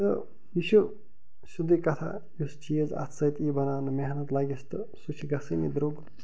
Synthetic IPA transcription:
t̪ɨ | jiʃu | sud̪ikɐt̪ʰa̰ | just͡ʃijəzɐ̰t̪ʰsɐt̪iːbɐnaːnɨmeɦnɐt̪laːɡʲist̪ɨ | sut͡ʃʰiɡɐsɨnḭd̪ɾoːɡ

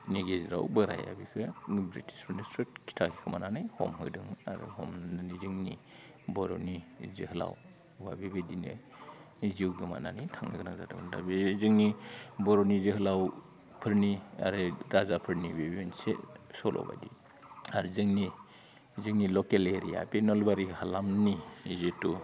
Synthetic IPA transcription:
niɡezɾa̰wbɯɾa̰ja̰bikʰɯbɾitʰi̥sɾunisɾut̚kʰi̥tʰakʰikʰɯmananɯjhɔ̰mɦɯdɯŋmɯaɾɯ̰hɔmnananizɯŋni | bɔɾonizɯhɯla̰w | ba̰bibedinɯ̰ | ziwɡɯma̰na̰nɯjtʰaŋnaɡɯnakzatʰabɯnda̰bizɯŋnibɔɾɔnizɯɦɯlaw | pʰɯɾnia̰ɾɯɾazapʰɯɾnibibiensesɔlʔɔ̰wba̰di | aɾzɯŋni | zɯŋnilɔkeleɾija̰penɔlbaɾihalamnizetu

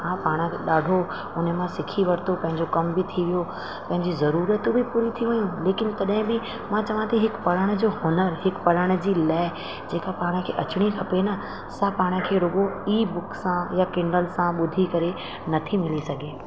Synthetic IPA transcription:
ɦãːpaːɽ̃əɗaːɖʱo | ʊnəmãsɪkʰiʋɐɾt̪opɐ̃ɦɪ̃ɲd͡ʑokɐmbɪt̪ʰiʋijo | pɐ̃ɦɪ̃ɲd͡ʑizɐɾuːɾət̪bʱɪpuːɾit̪ʰiʋɐjũleːkɪnt̪ɐɗɦɪ̃bɪ | mãt͡ɕɐʋãt̪ʰiɦɪkpɐɽ̤əɽ̃̆d͡ʑoːɦʊnəɾɦɪkpɐɽ̤əɽ̃ə̆d͡ʑiːlaːɪ | d͡ʑeːkapaːɽ̃ə̆kʰeːʔɐt͡ɕɪɽ̃ikʰɐpenɐ | sapaːɽ̃ə̆kʰeːɾʊɡoiːbʊksãjakɪ̃ɳɖəlsãɓʊd̪ʱikɐɾe | nɐt̪ʰimɪlisɐɡʱeː

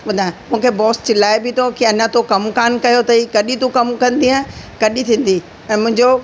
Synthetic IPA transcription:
ɓɐd̪ʱaːɪ̃mũːkʰebɔːst͡ɕɪlaːebɪt̪ʰokiɐɲãt̪okɐmkaːnkɐjot̪ɐikɐɗit̪ukɐmkɐ̃nd̪iãkɐɗit̪ʰĩːn̆d̪i | ɛ̃ːmʊ̃ɦɪ̃ɲd͡ʑo

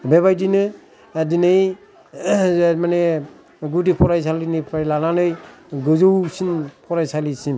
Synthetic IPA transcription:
beβajdinɯ | dinɯj | mane | ɡudipʰɔɾajs̬alinipʰajlananɯjɡɯzowsinpʰɔɾajsalisim

